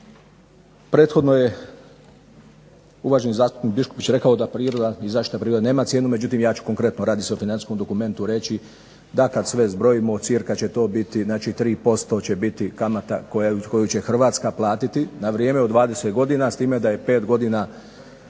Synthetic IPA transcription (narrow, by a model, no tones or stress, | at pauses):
pɾe̞ːt̪xo̞d̪no̞je̞ | uʋaːʒenizaːst̪u̥pnik̚biʃkopit͡ɕɾe̞kaod̪apɾiːɾo̞d̪aizaːʃi̥t̪apɾiːɾod̪ane̞ːmat̪sjeːnume̞d͡ʑut̪̬iːmjaːt͡ɕu̥ko̞ŋkɾe̞t̪noɾaːd̪iseofinansi̥sko̞md̪o̞kume̞nt̪uɾe̞t͡ɕi | d̪akad̪sʋe̞zbɾo̞jimosiɾkat͡ɕe̞t̪o̞ːbit̪iznaːt͡ʃiːt̪ɾiːpo̞st̪o̞t͡ɕe̞bit̪ikamat̪akoko̞jut͡ɕe̞xr̩ʋaːt̪skaplˠaːt̪it̪inaʋɾjeːmeod̪ʋaːd̪eset̪ɡo̞d̪inast̪iːme̞d̪aje̞pe̞ːt̪ɡo̞d̪ina